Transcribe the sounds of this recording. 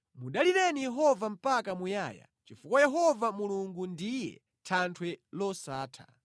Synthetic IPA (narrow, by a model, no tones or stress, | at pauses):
muɗaliɾɛnijɛɦɔvam̩pakamujaːja̰ | t͡ʃifukajɛɦɔvamuluŋɡundijɛ̰ | tʰantʰwɛlɔsaːtʰa̰